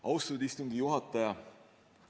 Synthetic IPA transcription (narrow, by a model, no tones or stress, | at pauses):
ɑwst̪od̪ist̪uŋɡijuɦɑt̪ˑːɑjɑ